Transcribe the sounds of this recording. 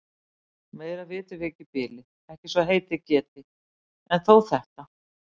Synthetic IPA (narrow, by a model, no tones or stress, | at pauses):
meːjɾavɪːt̪ɪvɛːcɪpɪːlɪ | ɛhcɪsvaɦeːjt̪ɪcɛːt̪ɪ | ɛnθowθɛht̪a